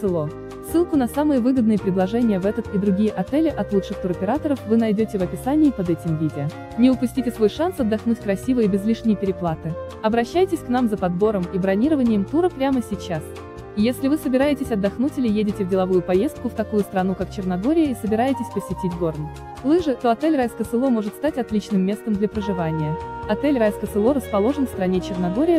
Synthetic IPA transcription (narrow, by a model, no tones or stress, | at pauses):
sɨlˠo | sːɨlˠkʊnɐsamɨjəvɨɡəd̪nɨjəpɾʲɪd̪lˠɐʐɛnʲɪjəvɛt̪ət̪id̪ɾʊɡʲijəʔɐt̪ɛlʲɪʔɐt̪lˠut͡ʂʂɨxt̪uɾɐpʲɪɾat̪əɾəfvɨnɐjdʲotʲɪvɐpʲɪsanʲɪːpɐd̪ɛtʲɪmvʲidʲɪ | nʲɪʊpʊsʲtʲitʲɪsvo̞jʂansɐd̪ːɐxnutʲkɾɐsʲivɨjəbʲɪzlʲiʂnʲɪjəpʲɪɾʲɪplˠat̪ɨ | ɐbɾɐɕːæjtʲɪsʲkn̪amzəpɐd̪bo̞ɾəmibɾɐnʲiɾəvənʲɪjəmt̪uɾəpɾʲaməsʲɪt͡ɕːas | ijesʲlʲɪvɨsəbʲɪɾajɪtʲɪsʲɐd̪ːɐxnutʲɪlʲɪjedʲɪtʲɪvdʲɪlˠɐvujʊpɐje̞st̪̚kʊft̪ɐkujʊst̪ɾɐnukakt͡ɕɪrnɐɡo̞ɾʲɪjəisəbʲɪɾajɪtʲɪsʲpəsʲɪtʲitʲɡo̞rn | lˠɨʐɨt̪o̞ɐt̪ɛlʲrajskət̪sɨlˠo̞mo̞ʐɨt̪st̪atʲɐt̪lʲit͡ɕnɨmːʲe̞st̪əmd̪lʲɐpɾəʐɨvanʲɪjəɐt̪ɛlʲrajskət̪sɨlˠo̞ɾəspɐlˠo̞ʐɨnfst̪ɾɐnʲet͡ɕɪrnɐɡo̞ɾʲɪjə